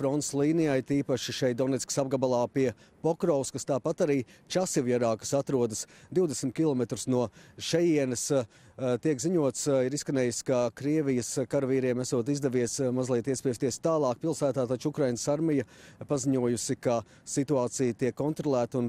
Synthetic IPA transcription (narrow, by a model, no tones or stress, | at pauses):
fɾɔnt̪slˠiːnijajt̪iːpaʃiʃɛjt̪̚d̪ɔnɛt̪sʲksab̚ɡabalˠɑːpiɛ | pɔkɾɔwskɐst̪aːpat̪aɾiːt͡ʃasivjɛɾaːkə̥sat̪ɾuɔd̪əsd̪iwd̪esmʲt̪kʲilˠɔmɛt̪ɾusnuɔʃɛjiɛnɐs | t̪iɛkziɲuɔt̪siɾiskɐnɛːjuskakɾiɛvijəskaɾviːɾiɛmæsuɔt̪̬izd̪ɛʋiɛsmazlˠiɛt̪iɛspʲist̪iɛst̪aːlˠɑːkpilˠsæːt̪aːt̪at͡ʃukɾajnəsaɾmijəpaziɲuɔjusika | sit̪uɑːt̪sijət̪iɛkːɔnt̪ɾɔlˠæːt̪un